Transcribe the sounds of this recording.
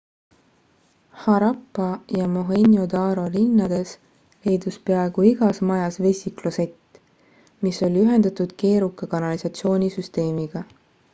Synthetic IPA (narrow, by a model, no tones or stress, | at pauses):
hɑɾɑpːˑɑjɑmoɦenʲjo̞d̪ɑːɾo̞linːɑd̪̥e̞s | le̞jd̪uspeɑe̞ɡ̥uiɡ̥ɑsmɑjɑsve̞sʲiklose̞t̪ː | miso̞lʲiyɦe̞nd̪ɑt̪ud̪̥ke̞ːɾukːˑɑkɑnɑlisɑt̪sio̞ːnʲisyst̪e̞ːmiɡ̥ɑ